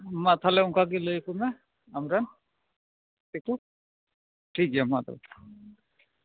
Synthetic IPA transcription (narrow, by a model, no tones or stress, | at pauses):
mat̪ʰalɛʊŋkʰak̬iləjkumɛ | amɾɛn | tiku | ʈʰikiamat̪a̰